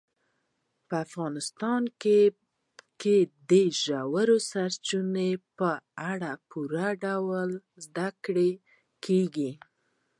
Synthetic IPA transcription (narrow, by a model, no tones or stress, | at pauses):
pəafɣɑnɪst̪ɑnke | ked̪eʒawaɾosaɾt͡ʃunepəaɽapʰuɾaɖawəlzd̪akɽe | kʰeɡi